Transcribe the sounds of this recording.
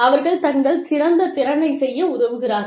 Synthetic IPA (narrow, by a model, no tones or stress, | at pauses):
ɐʋɐɾɣɐɭt̪ɐŋɡɐɭsɪɾɐnd̪ɐt̪ɪɾɐnɐɪsɛjːɐʊðɐʋɯɣɪɾaːɾ